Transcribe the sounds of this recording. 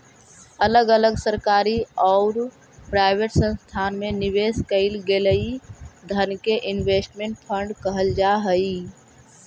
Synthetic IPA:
ələɡələɡsəɾkaːɾiɔʊɾ | pɾaɪbeʈsə̃nst̪ʰaːnmẽnɪʋeːskəɪlɡeləid̪ʱənkeʔɪnʋeːsʈmẽɳʈ̚pʰə̃ɳɖkəɦəld͡ʒaɦəi

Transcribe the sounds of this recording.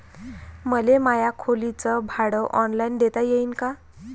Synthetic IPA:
məlemajakʰolit͡səbʱaɽəʔɔnlajnd̪et̪ajeinka

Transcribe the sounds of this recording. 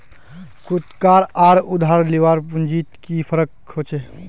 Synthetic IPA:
kut̪kaɾaɾud̪ʱaɾliʋaɾpund͡ʒit̪kipʰəɾək | hot͡ʃʰe

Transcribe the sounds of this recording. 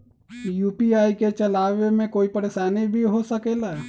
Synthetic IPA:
juːpiaːiket͡ʃəlaːʋemẽkoːipəɾeːʃaːnibʱiɦosəkeːla

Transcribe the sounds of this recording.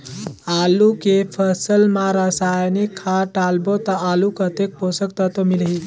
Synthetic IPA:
alukepʰəsəlmaɾəsajnikʰːaʈalbot̪əʔalukət̪ek̚posəkt̪ət̪omilɦi

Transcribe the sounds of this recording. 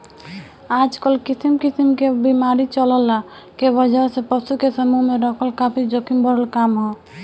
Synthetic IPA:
ad͡ʒkəlkisimkisimkebimaɾit͡ʃələla | kebəd͡ʒaɾsẽpəsukesəmuɦmeɾɔkʰəlkapʰid͡ʒokimbəɾəlkamɦo

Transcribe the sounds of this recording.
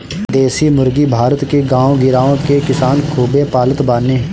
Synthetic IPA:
d̪eːsimʊɾɡibʱaːɾət̪keɡãːõɡɪɾaːõkekɪsaːnkʰuːbepaːlət̪baːne

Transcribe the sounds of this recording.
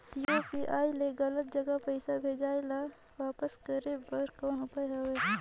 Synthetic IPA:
jopiʔaːileɡɐlət̪̚d͡ʒɐɡapɐɪsabʱeːd͡ʒaːela | waːpəskəɾebɐɾkɔ̃nʊpəjɦɐwe

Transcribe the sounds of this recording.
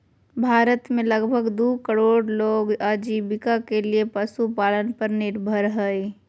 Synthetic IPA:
bʱaːɾət̪mẽləɡbʱəɡd̪ukəɾoːɖloːɡad͡ʒibɪkakeliepəsupaːlənpəɾnɪɾbʱəɾɦɛi

